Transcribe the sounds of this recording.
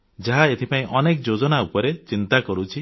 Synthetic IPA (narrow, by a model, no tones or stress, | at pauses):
d͡ʒaɦaet̪ʰipaĩʔɔnekd͡ʒod͡ʒɔnaupɔɾet͡ʃint̪akɔɾut͡ʃʰi